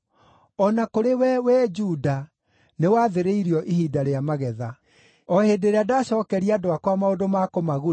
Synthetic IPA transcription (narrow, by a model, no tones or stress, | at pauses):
ɔnakoɾewɛwɛd͡ʒuda | newaðeɾeiɾiɔʔihidaɾeamaɣɛða | ɔhedeɾeadaɕɔkɛɾiadoakwamaodomakomaɣu